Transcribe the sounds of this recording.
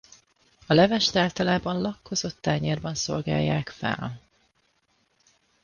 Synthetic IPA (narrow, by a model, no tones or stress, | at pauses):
ɒlɛvɛʃt̪aːlt̪ɒlaːbɒnlɒkːo̞zo̞t̪ːaːɲerbɒnso̞̰lɡa̰ːjːaːkfɛ̰l